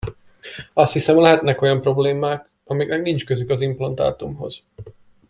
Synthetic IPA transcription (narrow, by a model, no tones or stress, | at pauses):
ɒst̪hisɛmlɛɦɛt̪nɛko̞jɒmpro̞bleːmaːk | ɒmiːɡnɛɡnint͡ʃkøzykɒzimplɒnt̪a̰ːt̪umɦo̞̰z̥